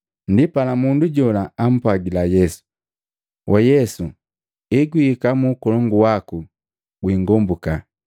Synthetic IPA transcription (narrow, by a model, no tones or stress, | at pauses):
ndipalamunduɟɔlaːm̩pwaɡilajɛsu̥ | wʔajɛsu | iɡwiːkamukɔlɔŋɡuwaku | ɡwiːŋɡɔmbuka